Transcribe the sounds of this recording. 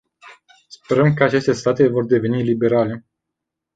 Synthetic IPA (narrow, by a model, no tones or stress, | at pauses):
spe̞ɾəmkəat͡ʃe̞st̪e̞st̪at̪e̞vo̞rd̪e̞ve̞nilibe̞ɾale̞